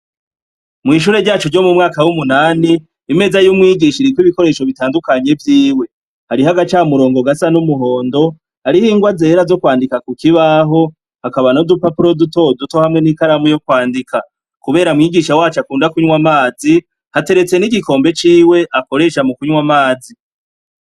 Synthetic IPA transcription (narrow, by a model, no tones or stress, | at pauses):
mŋiːʃ̬uːɾe̞ɾɟaːt͡ʃuɾɟo̞mumŋaːkawumunaːniː | me̞zajumŋiːɡiʃiɾikwiβiko̞ɾe̞ːʃo̞βitaːndukaɲe̞vjiːwe̞ | haɾiɦaɡat͡ʃaːmuɾo̞ːŋɡo̞ɡasanumuɦo̞ːndo̞ | haɾihiːŋɡwaze̞ɾazo̞kwaːndikakukiβaɦo̞ | hakaβanodupapuɾo̞duto̞duto̞hamŋe̞nikaɾamujo̞kwaːndikʰa | kuβe̞ːɾamŋiːɡiʃawaːt͡ʃakuːndakuɲwamaːzi | hate̞ɾe̞t͡se̞niɡiko̞ːmbe̞t͡ʃiːwe̞ʔako̞ɾe̞ʃamukuɲwamaːzi